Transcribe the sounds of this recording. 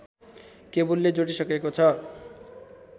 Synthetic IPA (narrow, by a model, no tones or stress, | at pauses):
kebulːed͡zoʈisʌkekot͡sʰʌ